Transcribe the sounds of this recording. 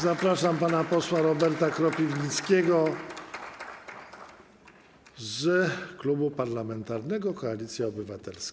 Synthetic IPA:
zapɾaʂampanapɔswaɾɔbɛɾt̪akɾɔpʲivɲit̪skʲɛɡɔ | zklubupaɾlamɛnt̪aɾnɛɡɔkɔalʲit̪sʲjɛɔbɘvat̪ɛlsk

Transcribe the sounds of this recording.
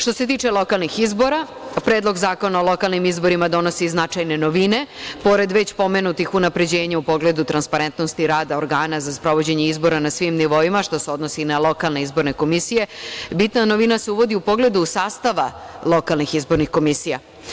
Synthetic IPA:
ʃt̪o̞se̞t̪̬iːt͡ʃe̞lˠo̞kalˠnixizbo̞ɾa | pɾeːd̪lo̞ɡzaːko̞naolˠo̞kalˠnimizbo̞ɾimad̪o̞nosiznat͡ʃajne̞no̞ʋine̞po̞ɾe̞d̪ʋe̞t͡ɕpo̞me̞nut̪ixunapɾe̞d͡ʑe̞ːɲaupo̞ɡle̞d̪ut̪ɾanspaɾe̞nt̪no̞st̪iɾaːd̪aoɾɡaːnazaspɾo̞ʋo̞d͡ʑe̞ɲeizbo̞ɾanasʋimniʋo̞imaʃt̪o̞seo̞d̪no̞sinalˠo̞kalˠne̞izbo̞ɾneko̞misije̞bit̪nano̞ʋinase̞uʋo̞d̪iupo̞ɡle̞d̪uːsaːst̪aʋa | lˠo̞kalˠnixizbo̞ɾnixko̞misija̰

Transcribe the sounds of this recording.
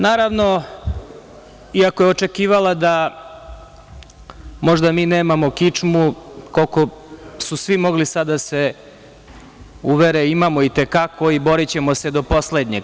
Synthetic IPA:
naːɾaʋno̞ | iakojeot͡ʃekiːʋalad̪a | mo̞ʒd̪amiːneːmamo̞kit͡ʂmukolko̞susʋimo̞ɡlisad̪ːase | uʋeɾeimamo̞it̪ekakʰoibo̞ɾit͡ɕe̞mo̞sed̪o̞po̞sled̪ɲe

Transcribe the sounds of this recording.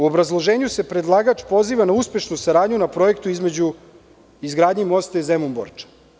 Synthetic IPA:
uo̞bɾazlˠo̞ʒe̞ːɲuse̞pɾe̞d̪lˠaːɡaːt͡ʃpo̞ziːʋanauspe̞ʃnusaɾaːd̪ɲunapɾo̞je̞kt̪uizme̞d͡ʑu | izɡɾaːd̪ɲimo̞st̪aizemumbo̰ɾt͡ʃḁ

